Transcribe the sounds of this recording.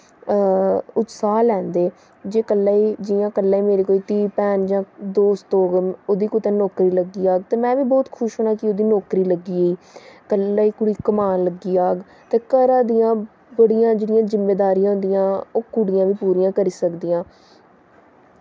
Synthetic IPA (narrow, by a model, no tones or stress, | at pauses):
ʊt̪saːlɛ̃ːnd̪eː | d͡ʒeːkəlːaːiːd͡ʒɪjãːkəlːaːiːmeːɾeːkoːiːt̪iːpɛːnd͡ʒãːd̪oːst̪oːɡoːd̪iːkʊt̪ẽːnɔːkɾiːləɡiːaːɡt̪eːmɛ̃ːʋiːbɔːt̪kʰʊʃɦoːɽ̃aːkɪoːd̪iːnɔːkɾiːləɡiːəiːkəlːaːiːkʊɽiːkəmaːnləɡiːaːɡ | t̪eːkəɾãːd̪ijãː | bəɽijãːd͡ʒeːɽijãːzɪmːeːd̪aːɾijãːɦʊ̃nd̪ijãːoːkʊɽɪjãːʋiːpuːɾiːãːkəɾiːsəkd̪iːãː